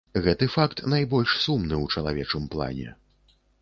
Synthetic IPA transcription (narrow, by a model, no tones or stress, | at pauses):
ɣɛt̪ɨfakt̪najbɔlʲʂsumnɨwt͡ʂɐlˠavʲɛt͡ʂɨmplˠa̰nʲɛ̰